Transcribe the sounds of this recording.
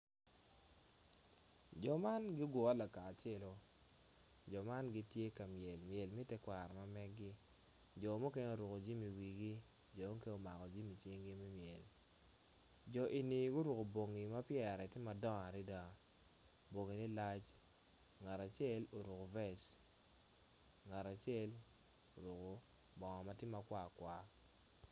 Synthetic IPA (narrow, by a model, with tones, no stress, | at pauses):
d͡ʒɔ˨ma˦nɡɪ˦ɡɔ˨a˦la˨kaː˨t͡ʃɛ˦lo˨ | d͡ʒɔ˨ma˦nɡi˦tje˦ka˨mjɛ˨lmjɛ˨lmi˦tɛ˦kwa˨ɾma˦mɛ˦ɡɪ˦ | d͡ʒɔ˨mo˦ke˦ɲo˨ɾu˨ko˨d͡ʒi˦mi˨wi˨ɡi˦ | d͡ʒɔ˨mo˦ke˦o˦ma˨kɔ˨d͡ʒi˦mi˨t͡ʃi˦ŋɡi˦mɛ˦mjɛ˨l | d͡ʒɔ˨ʔi˨ni˨ɡʊ˦ɾu˨ko˨bo˨ŋi˨ma˦pjɛ˦˨ɾɛ˨tɪ˦ma˨dɔ˦ŋa˨ɾi˦da˨ | bo˨ŋi˨ni˦la˦t͡ʃ | ŋa˨ɾa˨t͡ʃjɛ˦lo˨ɾu˨ko˨vɛ˦s | ŋa˨ɾa˨t͡ʃjɛ˦l | o˨ɾu˨ko˨ | bɔ˨ŋɔ˨ma˦tɪ˦ma˨kwa˦˨kwa˨